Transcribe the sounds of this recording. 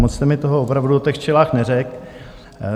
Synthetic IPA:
mot͡st̪ɛmɪt̪oɦoopɾavduot̪ɛxt͡ʃɛlaːxnɛrɛk

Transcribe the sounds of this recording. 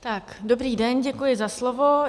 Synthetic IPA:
t̪akdo̞bɾiːdɛnɟɛkujɪzaslovo̞

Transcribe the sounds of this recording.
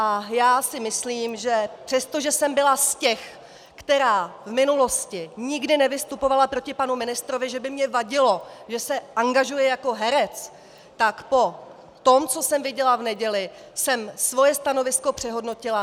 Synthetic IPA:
ʔajaːsɪmɪsliːmʒɛpr̝̥ɛst̪o̞ʒɛsɛmbɪlascɛx | kt̪ɛɾaːvmɪnulo̞scɪɲɪɡdɪnɛvɪst̪upo̞valapɾo̞cɪpanumɪnɪst̪ɾo̞vɪʒɛbɪmɲɛvaɟɪlo̞ʒɛsɛʔaŋɡaʒujɛjako̞ɦɛɾɛt͡s | t̪akpo̞ | t̪o̞mt͡so̞sɛmvɪɟɛlavnɛɟɛlɪ | sɛmsvo̞jɛst̪ano̞vɪsko̞pr̝̥ɛɦo̞dno̞cɪla

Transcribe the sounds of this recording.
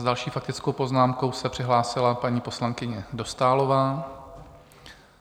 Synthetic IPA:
zdalʃiːfak̚t̪ɪt͡skowpo̞znaːmko̞wsɛpr̝̥ɪɦlaːsɪlapaɲiːpo̞slaŋkɪɲɛdo̞st̪aːlo̞vaː

